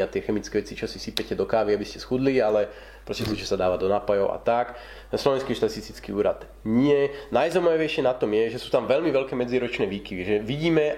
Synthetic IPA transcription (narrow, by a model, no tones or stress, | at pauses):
at̪ɪɛxɛmit͡skɛːʋɛt͡sit͡ʃɔsisipɛcɛd̪ɔkaːʋiabiscɛsxud̪lialɛ | pɾɔscɛt̪ɔt͡ʃɛsad̪aːʋad̪ɔnaːpajɔʊʔa̰t̪ak | slɔʋɛnskiʃt̪asist̪it͡skḭuːɾad̪ | ɲɪɛnajzɔmaʋiʋɛjʃɪɛnat̪ɔmjɛʒɛsuːt̪amʋɛlmiʋɛlkɛːmɛd͡ziɾɔt͡ʃnɛːʋiːkiʋiʒɛʋiɟiːmɛ